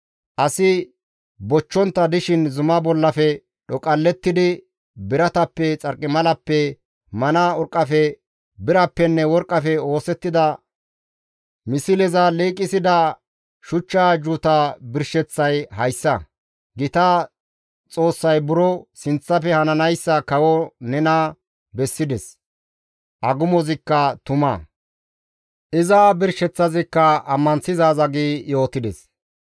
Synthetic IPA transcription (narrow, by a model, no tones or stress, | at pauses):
ʔɐsɪ | bɔt͡ʃːɔnt̪ːɐd̪ɪʃɪnzʊmɐbɔlːɐfɛ | ɗɔkʼɐlːɛt̪ːɪd̪ɪ | bɪɾɐt̪ɐpːɛt͡sʼɐɾkʼːɪmɐlɐpːɛ | mɐnɐɔɾkʼːɐfɛ | bɪɾɐpːɛnːɛwɔɾkʼːɐfɛo̞ːsɛt̪ːɪd̪ɐ | mɪsɪlɛzɐleːkʼːɪsɪd̪ɐ | ʃʊt͡ʃːaːd͡ʒʊt̪abɪɾʃɛt͡sːɐjhɐjsːɐ | ɡɪt̪ɐ | t͡sʼo̞ːsːɐjbʊɾɔsɪnt͡sːɐfɛhɐnɐnɐjsːɐkɐwɔnɛnɐ | bɛsːɪd̪ɛs | ʔɐɡʊmɔzɪkːɐt̪ʊmɐ̰ | ʔɪzaːbɪɾʃɛt͡sːɐzɪkːɐɐmːɐnsɪzaːzɐɡiːjo̞ːt̪ːɪd̪ɛs